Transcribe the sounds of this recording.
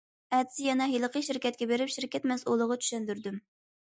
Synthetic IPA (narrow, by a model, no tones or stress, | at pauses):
ɛd̪sɪjɛnɛɦilˠəqʰəʃiɾkʲɛt̪̚kʲɛbeɾɪpʃiɾkʲʰɛt̪mɛsulˠəʁɑt͡ʃʰy̥ʃɛnd̪yɾd̪ym